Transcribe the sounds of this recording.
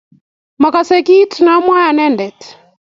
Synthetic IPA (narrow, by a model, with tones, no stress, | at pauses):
ma˨ka˨sɛ˨ki˦tna˨˦mwa˦a˨nɛ˦ndɛ˨t